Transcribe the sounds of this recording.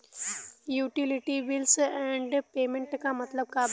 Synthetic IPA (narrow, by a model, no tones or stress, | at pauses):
juːʈɪlɪʈiʋɪlsɛ̃ːɳɖpeːmẽɳʈkamɐt̪ləb̚kaːb